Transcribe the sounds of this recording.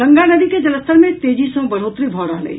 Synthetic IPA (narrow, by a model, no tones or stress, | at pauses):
ə̃ŋɡanəd̪iked͡ʒɐləst̪əɾmẽt̪eːd͡ʒisə̃ɡbəɾ̤oːt̪ɾibʱɔːɾəɦlə̰i